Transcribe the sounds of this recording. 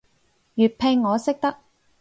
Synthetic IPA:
jyː˨˩t̚pʰe˧ŋːɔː˨˧sɪ˥k̚t̪ɐ˥k̚

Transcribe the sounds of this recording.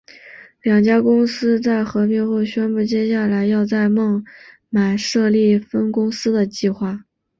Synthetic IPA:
ljɑ˨˩ŋt͡ɕja˥kʊ˥ŋsɹ̩˥t͡sa˥˩ɪxɤ˧˥pi˥˧xo˥˩ʊɕɥɛ˥npu˥˩t͡ɕjɛ˥ɕja˥˩la˧˥ɪjɑ˥˧ʊt͡sa˥˧ɪmɤ˥˩ŋ | ma˨˩ɪʂɤ˥˧li˥˩fə˥nkʊ˥ŋsɹ̩˥d̪ə˨t͡ɕi˥˧xwa˥˩

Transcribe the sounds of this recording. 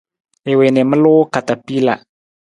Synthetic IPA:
e˨we˨nɪ˨mə˦lʊ˦ka˨ta˨pi˦la̰˨

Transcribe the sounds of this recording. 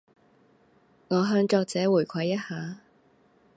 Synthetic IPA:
ŋɔː˨˧ɦœː˧ŋt͡ʃɔː˧k̚t͡sɛː˨˥wuː˨˩jkʷʰɐ˨˧jːɐ˥t̚haː˨˥

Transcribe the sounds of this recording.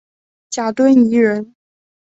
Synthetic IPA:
t͡ɕja˨˩t̪wə˥ni˧˥ɻə˧˥n

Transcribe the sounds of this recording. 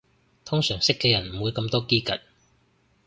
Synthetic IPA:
t̪ʰʊ˥ŋsœː˨˩ŋsɪ˥kːɛː˧jɐ˨˩nm̩˨˩wuː˨˧jkɐ˧mt̪ɔː˥kiː˥kɐ˨t̚

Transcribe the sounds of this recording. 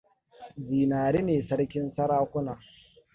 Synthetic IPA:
ziː˨naː˨ɾeː˦neː˨sɐ˦ɽkʲɪ˦nsɐ˦ɽaː˦kʷʊ˦naː˨

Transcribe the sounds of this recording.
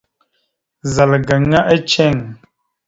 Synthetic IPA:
za˨lɡə˨ŋa˦ʔə˦t͡ʃɛ˦˨ŋ

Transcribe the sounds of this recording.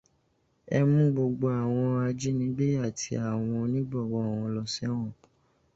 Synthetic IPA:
ɛ˧mũ˦ɡ͡bo˧ɡ͡bo˧˦a˨w̃ɔ̃˧a˧d͡ʒi˦nĩ˨˦ɡ͡be˦a˦˨tʰi˧a˨w̃ɔ̃˧nĩ˦ɡ͡bɔ˦˨wɔ˨˦˨wɔ̃˧˦lɔ˧˨sɛ˦w̃ɔ̃˦˨

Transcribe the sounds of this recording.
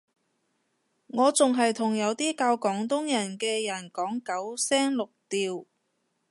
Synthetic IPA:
ŋɔː˨˧t͡sʊ˨ŋɦɐ˨jt̪ʰʊ˨˩ŋjɐ˨˧wt̪iː˥kaː˧wkɔː˨˥ŋt̪ʊ˥ŋjɐ˨˩nkɛː˧jɐ˨˩nkɔː˨˥ŋkɐ˨˥wsɛː˥ŋlʊ˨k̚t̪iː˨w

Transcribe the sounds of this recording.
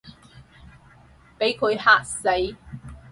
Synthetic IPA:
pe˨˥jkʰɵ˨˧ɥhaː˥k̚se˨˥j

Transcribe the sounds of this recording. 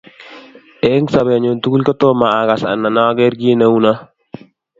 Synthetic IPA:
ɛ˦ŋsa˨bɛ˨ɲo˨ntu˦ɡu˦lkɔ˦to˦maː˨ɡa˨sa̰˨nːa˨na˦ɡɛ˦ɾɡi˦na˦u˦na˦

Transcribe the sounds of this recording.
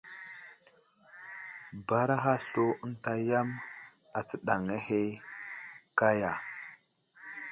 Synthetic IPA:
ba˨ɾa˦ɦa˦ɬo˦ə˦nta˦ja˦m | a˨t͡sə˦ɗa˨ŋe˦he˦ | ka˦ja˨

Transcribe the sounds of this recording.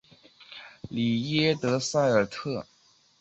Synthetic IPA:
li˨˩jɛ˥t̪ɤ˧˥sa˥˩ɪə˞˨˩t̪ʰɤ˥˩

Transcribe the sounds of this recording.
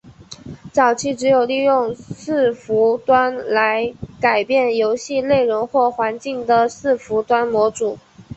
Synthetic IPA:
t͡sɑ˨˩ʊt͡ɕʰi˥ʈ͡ʂɻ̩˧˥jo˨˩ʊli˥˧jʊ˥˧ŋsɹ̩˥˩fu˧˥t̪wa˥nla˧˥ɪka˨˩ɪpjɛ˥˩njo˧˥ʊɕi˥˧le˥˩ɪɻʊ˧˥ŋxwɔ˥˩xwa˧˥nt͡ɕi˥˩ŋd̪ə˩sɹ̩˥˩fu˧˥t̪wa˥nmwɔ˧˥ʈ͡ʂu˨˩˦

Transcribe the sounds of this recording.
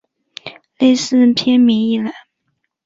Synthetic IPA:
le˥˧ɪsɹ̩˥˧pʰjɛ˥nmi˧˥ŋi˥˩la˧˩ɪ

